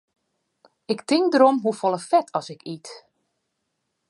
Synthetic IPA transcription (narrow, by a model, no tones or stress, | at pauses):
ɪktɪŋdəɾɔmɦufɔlˠəfɛtʰɔsɪkit